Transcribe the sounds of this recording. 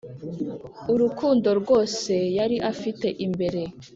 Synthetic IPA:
uɾukʰuːndo̞ɾɡo̞ːse̞jaɾiʔafite̞ʔimbe̞ɾe̞

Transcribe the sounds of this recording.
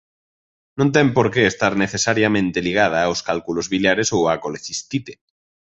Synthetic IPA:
nõnt̪̬empoɾkeːst̪aɾneθesaɾjamẽnt̪eliɣ̞að̞aːoskalkulozβiljaɾesoakoleθist̪it̪e

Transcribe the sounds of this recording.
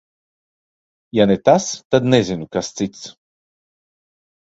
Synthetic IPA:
janɛt̪ast̪ad̪nɛzinukast̪t͡sit͡s̪

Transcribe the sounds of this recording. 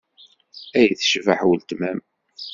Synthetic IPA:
æjθʃvaħwəlt̪mæm

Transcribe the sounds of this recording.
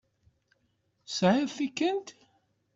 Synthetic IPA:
sʕɪðθikːənt̪

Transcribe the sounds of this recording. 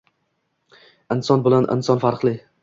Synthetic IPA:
ɪnsɒnbɪlanɪ̰nsɒnfaɾqlˠɪ

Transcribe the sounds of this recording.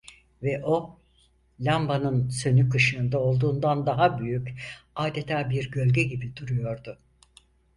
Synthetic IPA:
vɛʔo̞ | lʲambanɯnsø̞nykɯʃɯːnd̪ao̞lˠd̪uːnd̪and̪aɦabyjycaːd̪et̪ʰaːbiɾɟø̞lʲɟɛɟibid̪uɾujo̞ɾd̪ʊ

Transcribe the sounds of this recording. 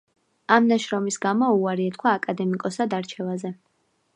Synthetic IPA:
amnaʃɾɔmisɡamɔuaɾiɛt̪̚kʰwaːkʼad̪ɛmikʼɔsad̪aɾt͡ʃʰɛvazɛ

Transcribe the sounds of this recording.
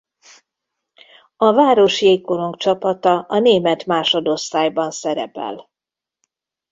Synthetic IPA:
ɒvaːɾo̞ʃjeːkːoɾo̞ŋkt͡ʃɒpɒt̪ɒʔɒneːmɛt̪maːʃo̞d̪o̞st̪aːjbɒnsɛɾɛ̰pɛ̰l

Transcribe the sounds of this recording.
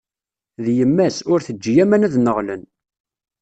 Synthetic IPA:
ðjəmːæsʊɾθəd͡ʒːjæmænæðnəʁlən

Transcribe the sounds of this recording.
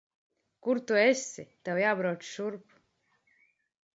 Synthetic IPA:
kuɾt̪uesʲit̪ɛwjaːbɾawt͡ʃʃuɾp

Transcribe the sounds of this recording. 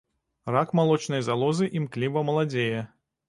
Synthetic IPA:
rakmalˠɔt͡ʂnɐjzalˠɔzɨʔimklʲivɐmɐlˠad͡zʲejɛ

